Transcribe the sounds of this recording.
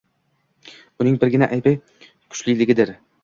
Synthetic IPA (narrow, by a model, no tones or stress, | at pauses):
ʊnɪŋbɪɾɡʲɪnaʔajbaj | kʰʊ̥t͡ʃlɪlɪɡʲɪd̪ɪɾ